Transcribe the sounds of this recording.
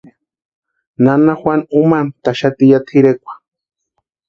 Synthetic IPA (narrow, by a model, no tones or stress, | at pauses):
nanaxwʷanumant̪aʃat̪ijat̪ʰiɾekʷḁ